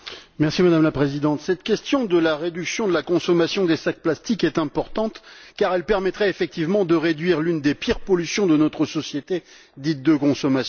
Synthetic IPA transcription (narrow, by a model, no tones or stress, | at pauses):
mɛʁsimad̪amlapχezid̪ɑ̃t̪sɛt̪kʲɛst̪jɔ̃d̪əlaʁed̪yksjɔ̃d̪əlakɔ̃sɔmasjɔ̃d̪esak̚plast̪ikɛt̪ɛ̃pɔʁt̪ɑ̃t̪kaʁɛlpɛʁmɛt̪χɛefɛk̚t̪ivmɑ̃d̪əʁed̪ɥiʁlynd̪epiʁpɔlysjɔ̃d̪ənɔt̪χəsɔsjet̪e | d̪it̪̚d̪əkɔ̃sɔmas